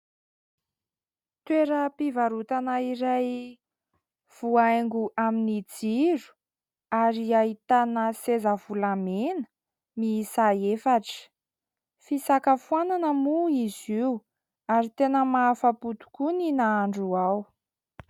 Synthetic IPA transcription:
t̪weɾəpivaɾut̪anaiɾaj | v̥uaaŋɡuʔaminid͡ziɾu̥ | aɾiait̪anəsezəvulamenə̥ | misaefaʈ͡ʂə̥ | fisakəfuananəmuiziu | aɾit̪enəmafaput̪u̥kuninaaɳɖ͡ʐuaw

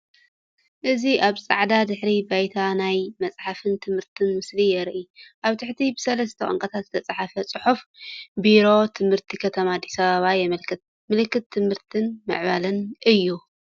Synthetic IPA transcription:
ʔɨziʔaβsʼa̰ʕd̪ad̪ɨħɾibajt̪ʰanajmɐt͡sʼħafɨnt̪ʰɨmhɨɾt̪ʰɨnmɨslijɛɾʔiʔaβt̪ʰɨħt̪ʰibɨsɐlɐst̪ʰɐkʼɐ̰ŋkʼɐt̪ʰat̪zɨ̥t̪ʰɐt͡sʼaħafɐt͡sʼɨħufbiɾo̞t̪ʰɨmhɨɾt̪ʰikʰɐt̪ʰɐmaːd̪ːisɐβaβajɛmɐlkʰɨt̪̚ | mɨlkːɨt̪ʰːɨmhɨɾt̪ʰɨnmɨ̰ʕβalɨnʔɨjːu

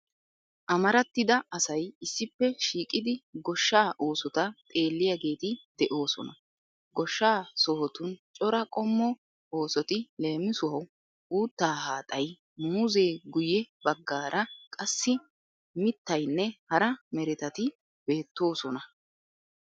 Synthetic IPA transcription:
ʔɐmɐɾɐt̪ːɪd̪ɐɐsɐjɪsːɪpːɛʃiːkʼɪd̪ɪɡɔʃːaːʔo̞ːsɔt̪ɐt̪ʼe̞ːlːɪjaːɡe̞ːt̪ɪd̪̥ɛʔo̞ːsɔ̰nɐ | ɡɔʃːaːsɔhɔt̪ʊnt͡ʃʼɔɾɐkʼɔmːɔ | o̞ːsɔt̪ɪle̞ːmːɪsʊɦɐw | uːt̪ːaːhaːt̪ʼɐj | muːzeːɡʊjɛbɐɡːaːɾʔɐkʼɐsːɪ | mɪt̪ːɐjnːɛhɐɾɐmɛɾɪt̪ɐt̪ɪ | b̥e̞ːt̪ːo̞ːsɔnɐ

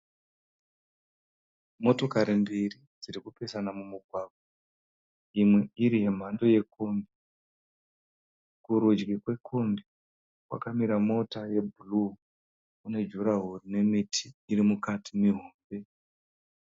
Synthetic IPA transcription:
mo̞to̞kaɾimbiri | d͡ziɾikupe̞sanamumuɡʱwaːɡ̚ʱwa | imwe̞iɾiɦe̞m̤ando̞je̞kombi | kuɾud͡ʒɡikwe̞kʰombi | kwa̰kamiɾamo̞taje̞bʱulu | une̞d͡ʒuɾaɦurine̞mitʰiːrimukatʰimiɦoːmbe̞

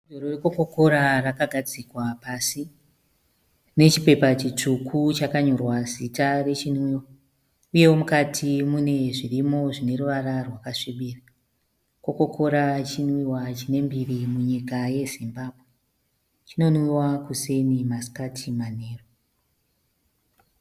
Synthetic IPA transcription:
doɾoreko̞ko̞ko̞ɾarakaɡʱad͡zikwapasi | ne̞t͡ʃipe̞pat͡ʃit͡ʂukʰut͡ʃakaɲo̞rwasitare̞t͡ʃinwiwa | uje̞womukatʰimune̞ʐirimo̞ʐine̞ruʋaɾarwakaʂiɓiːra | ko̞ko̞kʰo̞ɾat͡ʃinwiwat͡ʃine̞mbirimuɲikaje̞zimbaːbʱwe | t͡ʃino̞nwiwakuse̞nimaskatʰimane̞ːro

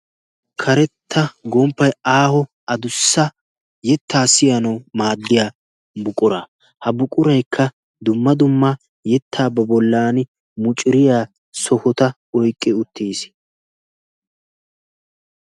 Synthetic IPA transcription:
kʰɐɾɛt̪ːɐɡɔmpːɐjaːhɔ | ɐd̪ʊsːɐ | jɛt̪ːaːsɪjɐnɐwmaːd̪ːɪjaː | bʊkʼːʊɾa | hɐbʊkʼʊɾɐjkʰːɐ | d̪ʊmːɐd̪ʊmːɐ | jɛt̪ʰːaːbɐbɔlːaːnɪ | mʊt͡ʃʼɪɾɪjaː | sɔhɔt̪ɐ | ɔjkʼːɪʊt̪ːiːs

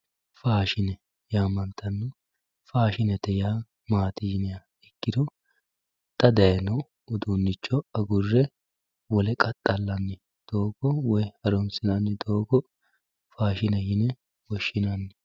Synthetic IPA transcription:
faːʃɪnɛ | jaːmɐnt̪ːɐnːʊ | faːʃɪnɛt̪ɛjaː | maːt̪ɪjɪnɛjɐ | ɛkːɪd̪ɔ | t̪ːɐd̪ɐjɛnɔ | ʊd̪unːɪt͡ʃːɔɐɡʊrːɛ | wɔlɛkʼɐt̪ʼːɐlːɐnːɪ | d̪̥o̞ːɡɔwɔjhɐɾɔmsɪnɐnːɪd̪oːɡɔ | faːʃɪnɛjɪnɛ | wɔʃːɪnɐnːɪ

